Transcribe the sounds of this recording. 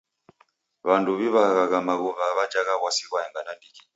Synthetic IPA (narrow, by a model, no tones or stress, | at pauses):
βanduβiβaɣaɣamaɣuvaβad͡ʒaɣaɣwasiɣwaɛŋɡanadiki